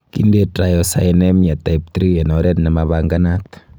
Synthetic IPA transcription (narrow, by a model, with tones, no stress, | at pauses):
kḭ˦nde˦tɾa˨jɔ˨sa̰˨enɛ˦mia˨taip̚tɾi˦e˨nɔ˨ɾɛ˦tnɛ˨maβaŋɡana˦t̪